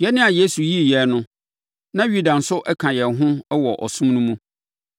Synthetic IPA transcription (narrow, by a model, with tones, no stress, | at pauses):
jɛ˦nɪ̃˦a˨je˦su˨ji˦˨jɛ˨nʊ̃˦ | nã˦ju˦dã˨n̩˨sʊ˦ʔɛ˦kʰã˨jɛ˨ɦʊ̃˦wɔ˨ʔɔ̰˨sũ˦mnʊ̃˦mũ˦